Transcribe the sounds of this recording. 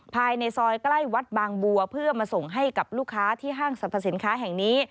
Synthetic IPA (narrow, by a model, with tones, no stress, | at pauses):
pʰaː˧jna˧jsɔː˧jkla˥˩jwa˦˥t̪̚baː˧ŋbu˧ɐpʰɯ˥˩ɐmaː˧so˨˩ŋɦa˥˩jka˨˩p̚luː˥˩kʰːaː˦˥t̪ʰiː˥˩ɦaː˥˩ŋsa˨˩pʰa˧˥si˩˦nkʰaː˦˥ɦɛ˨˩ŋniː˦˥